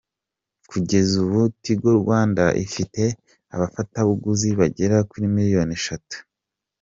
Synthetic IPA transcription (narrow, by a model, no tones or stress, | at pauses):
kuɟe̞zuβutiɡoɾɡwaːndaʔḭfite̞ | aβafataβuɡuziβaɟe̞ɾakuɾimiɾijo̞neʃatu̥